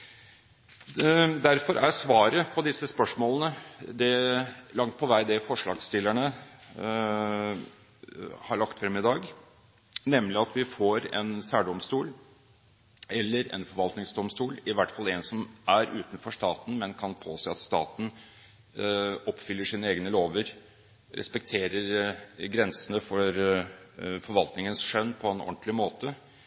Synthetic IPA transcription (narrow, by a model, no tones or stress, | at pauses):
d̪æɾfɔɾʔæsʋɑːɾəpʰɔd̪ɪsəspœʂmoːlənəd̪ɛlɑŋt̪̚pʰɔʋæɪd̪ɛfɔʂɭɑ̰ːɡst̪ɪlːæɳə | hɑɭɑkt̪fɾɛmːɪd̪ɑːɡ | nɛmːlɪɑt̪ʋɪfoɾɛ̰nsæːɖɔmst̪uːl | ɛlːəɾɛ̰nfɔɾʋɑlt̪nɪŋsd̪ɔmst̪uːlɪʋæʈfɑlɛnsɔmʔæɾʉ̰ːt̪nfɔʂt̪ɑːt̪n̩mɛnkʰɑnpʰoːseːɑt̪st̪ɑ̰ːt̪n̩ | ɔpːfʏlːəʂiːnəeːɡnəloːʋəɾ | ɾɛ̰spɛk̚t̪ʰeːɾəɾɡɾɛnsənəfɔɾ | fɔɾʋɑlt̪nɪŋənsʂœnːpʰɔɛnɔ̰ɳt̪lɪmoːt̪ə